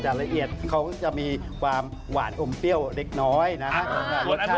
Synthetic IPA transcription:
t͡ɕaː˨˩k̚la˧ʔi˨˩ət̪̚kʰa˦˥wt͡ɕa˨˩miː˧kʰwaː˧m | wa̰ː˩˦nʔo˧mpi˥˩əwle˦˥k̚nɔː˦˥jna˦˥kʰa˦˥˧kaː˧˩o˦˥a˥˩

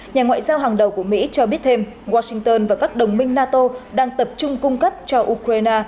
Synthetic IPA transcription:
ɲaː˨˩ŋwa̰ː˧˨jzaː˧wɦaː˨˩ŋɗə˨˩wku˧˩əmḭ˧˥t͡ɕɔ˧ɓi˦˥ət̚t̪ʰe˧m | ɣwaː˧sï˧ŋt̪əː˧nvaː˨˩kaː˦˥k̚ɗə˨˩wŋ͡mmï˧ŋ̟naː˧t̪o˧ɗaː˧ŋt̪ə˨˩p̚t͡ɕʊ˧ŋ͡mkʊ˧ŋ͡mkə˦˥p̚t͡ɕɔ˧ʔu˧kɾaː˧jnaː˧

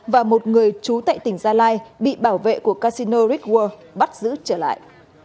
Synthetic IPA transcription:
vaː˨˩mo˨˩t̚ŋɨ˨˩əjt͡ɕu˨˦t̪a̰ː˧˨jt̪ï˧˩ŋ̟zaː˧laː˧jɓḭ˧˨ɓaː˧˩wvḛ˧˨ku˧˩əkaː˧si˧no˧ɾi˦˥k̚wəː˧ɓa˦˥t̚zɨ̰˧˥t͡ɕəː˧˩la̰ː˧˨jʔ

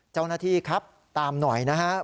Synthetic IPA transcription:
t͡ɕa˥˩wnaː˥˩t̪ʰiː˥˩kʰa˦˥p̚ | t̪aː˨˧mnɔ˨˩jna˦˥ɦa˦˥

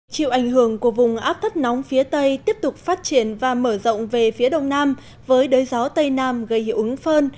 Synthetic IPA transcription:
t͡ɕḭ˧˨wʔa˧˩jŋ̟ɦɨ˧˩əŋku˧˩əvʊ˨˩ŋ͡mʔaː˦˥p̚t̪ʰi˦˥k̚nɔ˨˦wŋ͡mfi˨˦ət̪ə˧jt̪i˦˥əp̚t̪ʊ˨˩k͡p̚faː˦˥t̚t͡ɕi˧˩ənvaː˨˩məː˧˩zə̰˧˨wŋ͡mve˨˩fi˨˦əɗə˨˩wŋ͡mnaː˧m | vəː˨˦jɗəː˨˦jzɔ˨˦t̪ə˧jnaː˧mɣə˧˩jʔɨ˨˦ŋfəː˧n

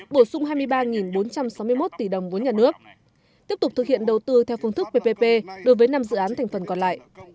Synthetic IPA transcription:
ɓo˧˩sʊ˧ŋ͡mɦaː˧jmɨ˧əjɓaː˧ŋi˨˩nɓo˨˦nt͡ɕa˧msa˨˦wmɨ˧mo˦˥t̚t̪i˧˩ɗə˨˩wŋ͡mvu˨˦ɲaː˨˩nɨ˦˥ək̚ | t̪i˦˥əp̚t̪ʊ˨˩k͡p̚t̪ʰɨ˨k̚hḭ˧˨ənɗə˨˩wt̪ɨ˧t̪ʰɛ˧wfɨ˧ŋt̪ʰɨ˦˥k̚pe˧pe˧pe˧ɗo˨˦jvəː˨˦jna˧mzɨ̰˧˨ʔːnt̪ʰɛ˨˩jŋ̟fə˨˩nkɔ˨˩nla̰ː˧˨jʔ

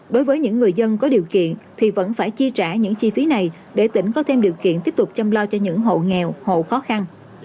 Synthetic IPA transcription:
ɗo˨˦jvəː˨˦jɲɨ̰˧˥ŋːɨ˨˩əjzə˧nkɔ˨˦ɗi˨˩əwkḭ˧˨ənt̪ʰi˨˩və̰˧˥nfaː˧˩jt͡ɕi˧t͡ɕaː˧˩ɲɨ̰˧˥ŋt͡ɕi˧fi˨˦na˨˩j | ɗe˧˩t̪ï˧˩ŋ̟kɔ˨˦t̪ʰe˧mɗi˨˩əwkḭ˧˨ənt̪i˦˥əp̚t̪ʊ˨˩k͡p̚t͡ɕa˧mlaː˧wt͡ɕɔ˧ɲɨ̰˧˥ŋɦo̰˧˨ŋɛ˨˩who̰˧˨xɔ˨˦xa˧n

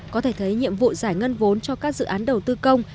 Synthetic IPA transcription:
kɔ˨˦t̪ʰe˧˩t̪ʰə˨˦jɲḭ˧˨əmvṵ˧˨zaː˧˩jŋə˧nvo˨˦nt͡ɕɔ˧kaː˦˥k̚zɨ̰˧˨ʔaː˨˦nɗə˨˩wt̪ɨ˧kə˧wŋ͡m

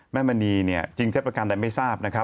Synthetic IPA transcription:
mɛː˥˩ma˧niː˧ni˥˩ɐt͡ɕi˧ŋt̪ʰe˦˥pɾa˧ka˧nda˧jma˥˩jsaː˥˩p̚na˦˥kʰɾa˦˥

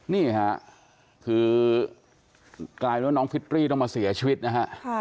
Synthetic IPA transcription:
niː˥˩kʰa˦˥ | kʰɯː˧ | klaː˧jnɔː˦˥ŋfʰi˦˥t̪̚ɾiː˥˩t̪ɔ˥˩ŋmaː˧si˩˦ɐt͡ɕʰiː˧wi˦˥t̪̚na˦˥kʰa˦˥ʔ

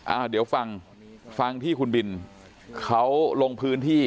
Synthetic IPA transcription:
ʔa̰ː˧˩wdi˨˩˦wfa˧ŋ | fa˧ŋt̪ʰiː˥˩kʰu˧nbi˧n | kʰa˦˥wlo˧ŋpʰɯː˦˥nt̪ʰiː˥˩

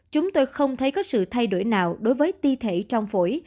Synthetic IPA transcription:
t͡ɕʊ˨˦ŋ͡mt̪o˧jxə˧wŋ͡mt̪ʰə˨˦jkɔ˨˦sɨ̰˧˨t̪ʰa˧jɗo˧˩jnaː˨˩wɗo˨˦jvəː˨˦jt̪i˧t̪ʰe˧˨t͡ɕɔ˧wŋ͡mfo˧˩j

